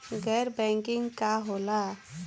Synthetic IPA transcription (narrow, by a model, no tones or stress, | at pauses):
ɡɛɾbɛ̃ŋkɪŋɡkaɦola